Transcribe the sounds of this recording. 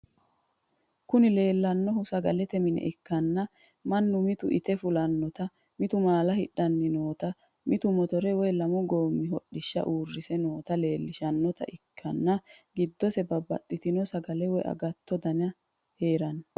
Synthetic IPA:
kʊnɪle̞ːlːɐnːɔɦʊsɐɡɐlɛt̪ɛmɪnɛ̰ʔɪkːɐnːɐ | mɐnːʊmɪt̪ʊʔɪ̰t̪ɛfʊlɐnːɔt̪ɐ | mɪt̪ʊmaːlɐhɪɗɐnːɪnoːt̪ɐ | mɪt̪ʊmɔt̪ɔɾɛwɔjlɐmɔɡo̞ːmːɪɦɔɗːɪʃːɐ̰ʔuːrːɪsɛnoːt̪ɐle̞ːlːɪʃɐnːɔt̪ɐ̰ʔɪkʰːɐnːɐɡɪd̪ːɔsɛbɐbɐ̰t̪ːɪt̪ɪnɔsɐɡɐlɛwɔjɐ̰ɡɐt̪ʰːɔd̪ɐnɐ | he̞ːɾɐn

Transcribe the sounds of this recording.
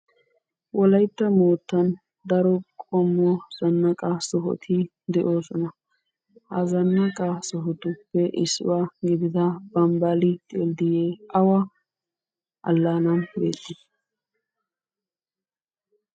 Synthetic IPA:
wʔɔlɐjt̪ːɐmoːt̪ːɐn | d̪ɐɾɔkʼɔmːɔz̥ɐnːɐkʼɐsɔɦɔ̰t̪ʰɪ | d̪ɛʔo̞ːsɔnɐ | hɐ̰zɐnːɐkʼɐsɔɦɔt̪ʊpːɛʔɪsːʊ̰waːɡɪd̪ɪd̪ɐbɐmbalɪt̪ʼeld̪ɪjeːɐwɐ | ʔɐ̰lːaːnɐnbḛːt̪ʼːɪ

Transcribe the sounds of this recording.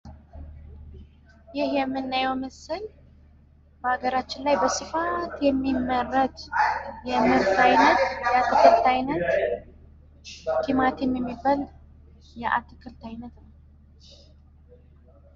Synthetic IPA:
jɪhjɛmːɨnːajɛwməsɨl | b̥əhaɡəɾat͡ʃːɪnlajbəsɨfat̪jɛmːimːərət̪jɛmɨɾt̪ajnət̪jat̪ʰːɨkʰɨɾt̪ajnət̪ | kʰimat̪jɛmːjɛmːibal | jɛʔa̰t̪ʰɨkʰɨlt̪ʰajnət̪nəw

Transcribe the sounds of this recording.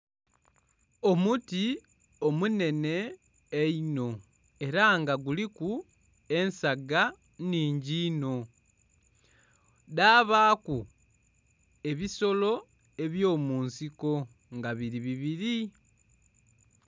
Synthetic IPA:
o̞muti | o̞mune̞ne̞ː | ino̞ | e̞ɾaŋɡaɡuliku | e̞nsaɡa | niːɲɟiːno̞ | daːβaːku | e̞βiso̞lo̞ | e̞βjo̞ːmuːnsiko̞ | ŋɡaβiɾiβiβiɾi

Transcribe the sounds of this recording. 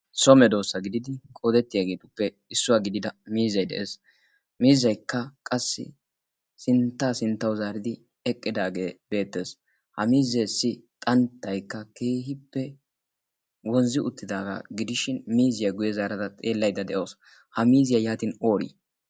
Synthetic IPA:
sɔmɛd̪o̞ːsːɐɡɪd̪ɪd̪ɪkʼoːd̪ɛt̪ːɪjaːɡe̞ːt̪ʊpːɛ | ɪsːʊwaɡɪd̪ɪd̪ɐmiːzɐjd̪ɛ̰ʔeːs | miːzɐjkːɐkʼɐsːɪ̰ | sɪnt̪ːaːsɪnt̪ːɐwzaːɾɪd̪ɪ | ɛkʼːɪd̪aːɡe̞ːb̥e̞ːt̪ːe̞ːs | hɐmiːzeːsːɪt̪ʼɐnt̪ːɐjkːɐkeːɦɪpːɛ | wɔnzɪʔʊt̪ːɪd̪aːɡɐ̰ɡɪd̪ɪʃɪnmiːzɪjɐɡʊjɛzaːɾɐt̪ɐt̪ʼe̞ːlːɐjd̪ɐd̪ɛʔo̞ːs | hɐmiːzɪjɐjaːt̪ɪno̞ːɾḭː

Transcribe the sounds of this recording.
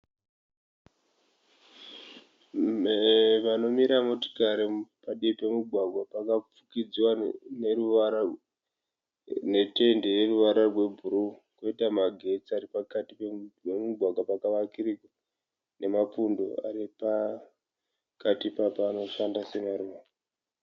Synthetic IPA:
ʋano̞miɾamoti̥kaɾipaɗipe̞muɡʱwaɡʱwapakap͡fukid͡ziwaneru | ne̞te̞ndere̞ruʋaɾarwe̞bʱuɾu | koitamaɡʱe̞t͡siaɾipakatipeemuɡʱwaɡʱwapakaʋakirika | ne̞mapundo̞̰a̰ɾipa | katipapaːno̞ʃandase̞maɾuːʋa

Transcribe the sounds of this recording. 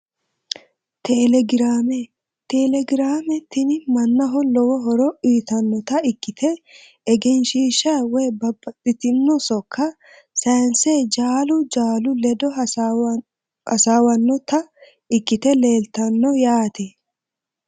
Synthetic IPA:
t̪ʰɛlɛɡɪɾaːmɛ | t̪ɛlɛɡɪɾaːmɛt̪ːɪnɪmɐnːɐɦɔlɔwɔɦɔɾɔʔiːt̪ɐnːɔt̪ɐɪkːɪt̪ʰɛ | ɛɡɛnʃiːʃɐwɛjbɐbːɐt̪ʼːɪt̪ɪnːɔsɔkʰːɐ | sɐjnseːd͡ʒaːlʊd͡ʒaːlʊlɛd̪ɔ | hɐsaːwɐnːɔt̪ɐ | ɪkːɪt̪ɛle̞ːlt̪ɐnːɔjaːt̪ɛ

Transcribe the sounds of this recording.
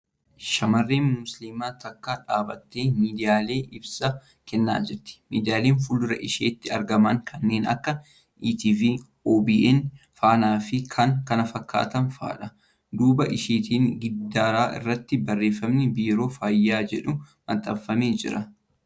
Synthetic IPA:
ʃɐmɐrːeːnmʊslimaːt̪ɐkːaːᶑaːbɐt̪ːeːmiːd̪ɪjaːle̞ːʔɪbsɐ | kɛnːa̰ːd͡ʒɛɾt̪ːɪ̥mḭːd̪ɪjaːleːnfʊlʊɾɐ̰ʔɪʃḛːt̪ːɪɐɾɡɐmɐŋkʰɐnːe̞ːnɐ̰kːɐ | ʔiːt̪iːviː | oːbiːʔɛn | faːnaːfɪkʰɐŋkɐnɐfɐkːa̰ːt̪ɐnfa̰ːᶑɐ | d̪uːbɐʔɪʃeːt̪iːŋɡɪd̪ːaːɾaːʔɪ̰rːɐt̪ːɪbɐrːe̞ːfːɐmnɪbiːɾo̞ːfaːjːaːd͡ʒɛᶑʊmɐ̰t̪ʼːɐbfːɐme̞ːd͡ʒɪɾɐ

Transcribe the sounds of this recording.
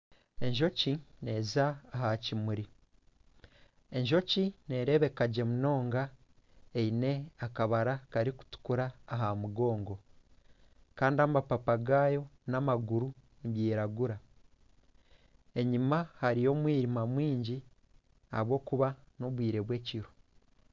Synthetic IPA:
e̞ɲʒo̞cine̞zaːɦacimuɾi | e̞ɲʒo̞cine̞ɾe̞βe̞kaɟe̞muno̞ːŋɡa | eine̞akaβaɾakaɾiku̥tu̥kuɾaːɦamuɡo̞ːŋɡo̞ | kaːndiamapapaɡaːjo̞namaɡuɾu | niβjiːɾaɡuɾa | e̞ɲimahaɾijo̞ːmwiːɾimamwiːɲɟi | a̰βwo̞ːkuβano̞βwiːɾe̞βwe̞ːciɾo

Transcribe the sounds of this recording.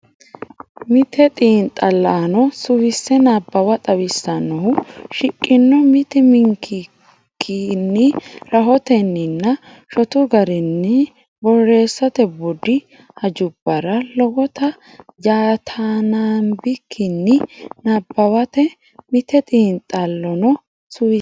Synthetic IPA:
mɪt̪ʰɛt̪ʼiːnt̪ʼːɐlːaːnɔsʊwɪsːɛnabːɐwɐt̪ʼɐwɪsːɐnːɔhʊʃɪkʼːɪnːɔmɪt̪ɪmɪŋkʰːɪ | kʰːɪnːɪɾɐɦɔt̪ɛnːɪnːɐ | ʃɔt̪ʊɡɐɾɪnːɪ | bɔrːe̞ːsːɐt̪ɛbʊd̪ɪ | hɐd͡ʒʊb̥ːɐɾɐlɔɡɔt̪ɐ | d͡ʒaːt̪ʰaːnaːmbɪkʰːɪnːɪnɐbːɐwɐt̪ɛ | mɪt̪ɛt̪ʼiːnt̪ʼɐlːɔnɔ | sʊwɪ

